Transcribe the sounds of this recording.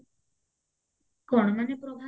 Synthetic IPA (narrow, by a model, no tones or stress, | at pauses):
kɔɳ̃manepɾɔbʱa